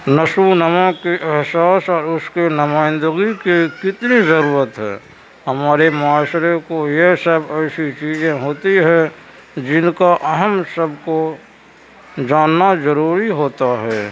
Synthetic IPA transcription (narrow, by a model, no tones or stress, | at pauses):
nəʃunəmãkeʔɛɦsaːsɔːɾʊskenɐmaːɪ̃nd̪əɡikikɪt̪nizɐɾuːɾət̪ɦɛ̰ː | hɐmaːɾemaːʃɾekojeɦsəbɛsit͡ʃiːzẽɦoːt̪iɦɛ̃ | d͡ʒɪnkaʔɐɦəmsəbko | d͡ʒaːnːazəɾuːɾiɦoːt̪aɦɛː